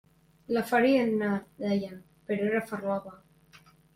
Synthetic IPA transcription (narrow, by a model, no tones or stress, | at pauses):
lafaɾianːaɾd̪ajan | peɾoeɾafarlaβa